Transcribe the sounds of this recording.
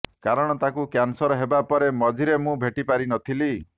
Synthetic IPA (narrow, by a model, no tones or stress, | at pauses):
kaɾɔɽ̃ɔt̪akukjansɔɾɔɦebapɔɾemɔd͡ʒʱiɾemũbʱeʈipaɾinɔt̪ʰili